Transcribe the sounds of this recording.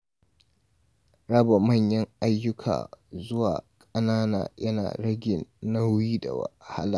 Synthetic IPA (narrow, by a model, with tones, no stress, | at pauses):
ɽɐ˦ba˨mɐ˦˨ɲjɐ˦ŋʔa˦jːʊ˦kʰa̰ː˨zʊ˦waː˨kʼɐ˦naː˦na̰ː˨jɐ˦na̰ː˨ɽɐ˦ɡʲɪ˨nːɐ˦wiː˦da̰˨wɐ̰˨ha˦laː˨